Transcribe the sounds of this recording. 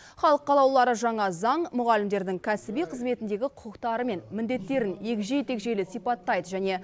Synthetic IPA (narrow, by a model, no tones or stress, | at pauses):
χɑlˠəqːɑlˠɑwlˠɑɾəʒɑɴɑzɑɴmʊʁɑlɪmd̪e̞ɾd̪ɪŋkʲʰæsɪbijqʰəzme̞t̪ɪnd̪e̞ɡʲɪqʰʊqəqt̪ɑɾəme̞nmɪnd̪e̞t̪ːe̞ɾɪnje̞kʲʒejt̪e̞kʒe̞jlɪsijpɑt̪ːɑjd̪əʒæne̞